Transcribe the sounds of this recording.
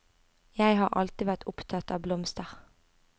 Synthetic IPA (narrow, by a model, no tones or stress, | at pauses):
jæɪhɑːʁʔɑ̰lt̪ɪʋæʁt̪ʰʊpt̪ʰɑt̪ɑ̰ːʋblɔmst̪əʁ